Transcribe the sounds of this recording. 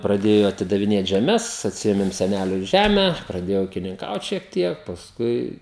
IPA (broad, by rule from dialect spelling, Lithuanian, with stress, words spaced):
prɐˈdʲeːjoː ɐtʲɪdɐʋʲɪˈnʲeːt ʒʲɛˈmʲɛs ɐtʲsʲɪˈeːmʲɪm sʲɛˈnʲælʲʊ ˈʒʲæmʲɛ prɐˈdʲeːjɛʊ uːkʲɪnʲɪŋˈkɐʊt ʃʲiɛk ˈtʲiɛk pɐsˈkʊɪ